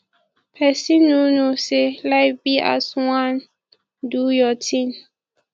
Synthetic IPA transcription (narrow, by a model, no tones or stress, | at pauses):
pʰɛsinunuselajbia̰swãn | dujɔtʰin